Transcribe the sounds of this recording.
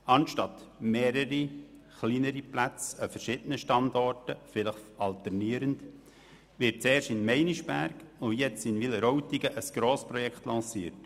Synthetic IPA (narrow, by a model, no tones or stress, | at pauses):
ɑnʃtɑtmeːɾəɾi | χliːnəɾiplæt͡səfəɾʃɪd̥ənəʃtɑndɔɾtəfɪləχɑltəɾniəɾənd | ʋɪɾt̚t͡sɛːrʃtɪnmɛɪniʃb̥æɾɡojɛt͡sɪnʋiləɾowtiɡəʔəsɡ̥ɾoːspɾɔjɛkχt̪lɑ̃ːsiːət